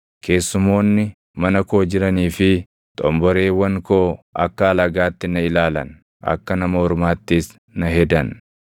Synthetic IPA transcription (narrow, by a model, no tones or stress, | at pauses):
kʰe̞ːsːʊmo̞ːnːɪ | mɐnɐko̞ːd͡ʒɪɾɐniːfɪ | t̪ʼɔmbɔɾe̞ːwɐŋkoːʔɐkːɐːlɐɡaːt̪ːɪnɐɪlaːlɐ̰n | ʔɐ̰kːɐnɐmɐhɔɾmaːt̪ːɪs | nɐɦɛd̪ɐn